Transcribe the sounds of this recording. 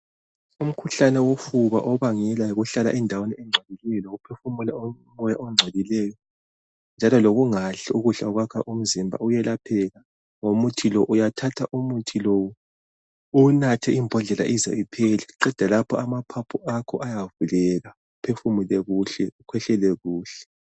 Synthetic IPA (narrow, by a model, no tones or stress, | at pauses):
um̩kʰuɬanɛwofuβa̰ʔɔβaŋɛlaɣuɬala̰ʔɛndʱaweniɛŋ͡ǀʱelilɛjɔloɣupʰefumulao | mɔjaʔɔŋ͡ǀʱelilɛːjɔ | nd͡ʒʱalɔloɣuŋaɬɛuɣuɬaɔɣwakʰaʔum̩zimbʱa̰ujɛlʔapʰɛla | ŋomutʰilɔʔujatʰatʰaʔumutʰilowu | unatʰɛʔimbʱɔɮɛla̰ʔiza̰ipʰɛlɛǃɛd̥ʱalapʰɔamapʰapʰuakʰɔʔajavulɛɣaɣupʰefumulɛɣuɬɛ̰ukʰwɛɬɛlɛɣuːɬɛ̥